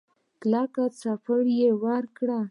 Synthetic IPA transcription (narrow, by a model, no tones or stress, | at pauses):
plɑkat͡safəɽjewaɾkɽa